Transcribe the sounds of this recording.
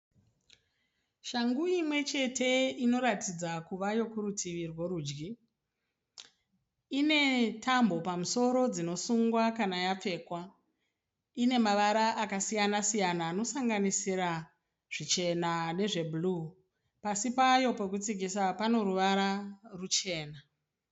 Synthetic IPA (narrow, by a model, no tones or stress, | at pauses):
ʃaŋɡuimwe̞t͡ʃe̞tʰe̞ino̞ɾatid͡zakuʋajo̞kuɾutʰiʋirwoɾuːd͡ʒɡi | ine̞tʰambo̞pamuso̞ɾo̞d͡zino̞suŋɡwakanajap͡fe̞ːkwa | ine̞maʋaɾaʔakasijanasijanaːno̞saŋɡanisira | ʐ̥it͡ʃe̞nane̞ʐe̞bʱulu | pasipajo̞pe̞kut͡siɡʱisapano̞ɾuʋaɾarut͡ʃe̞ːna